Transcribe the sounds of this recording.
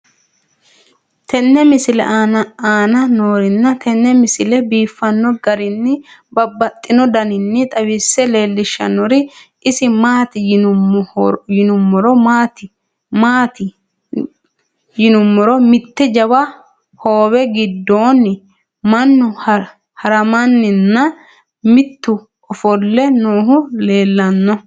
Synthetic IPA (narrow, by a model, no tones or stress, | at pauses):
t̪ʰɛnːɛmɪsɪlɛ̰ʔaːnɐnoːɾɪnːɐt̪ɛnːɛmɪsɪlɛbiːfːɐnːɔɡɐɾɪnːɪbɐbːɐt̪ʼːɪnɔd̪ɐnɪnːɪt̪ʼɐwɪsɛleːlːɪʃːɐ̰nːɔɾɪʔɪsɪmaːt̪ɪj | jɪnʊmːɔɾɔmaːt̪ɪ | maːt̪ɪ | jɪnʊmːɔɾɔmɪt̪ːɛd͡ʒɐbɐ | ho̞ːwɛɡɪd̪ːo̞ːnɪ | mɐnːʊ | hɐɾɐmɐnːɪnːɐ | mɪt̪ːʊ | ɔfɔlːɛnoːɦʊle̞ːlːɐnːɔ